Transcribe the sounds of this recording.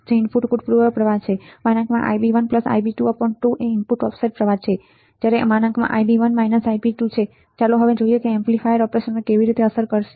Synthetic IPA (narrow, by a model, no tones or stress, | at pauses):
d͡ʒeɪnpʰuʈkuʈ̚pɾuʋəɾpɾəʋat͡ʃʰemanə̃ŋkʰmã̰ʔa̰jbiʋənpləsa̰jbiʈuapəɳʈuʔeinpuʈɔpseʈ̚pɾəʋat͡ʃʰe | d͡ʒjaɾemanə̃ŋkmã̰ʔajbiʋənmainəsaipiʈut͡ʃʰe | t͡ʃaloɦəʋed͡ʒoijekeemplifʰajɾɔpɾeʃənmẽkeʋiɾit̪eəsəɾkəɾʃe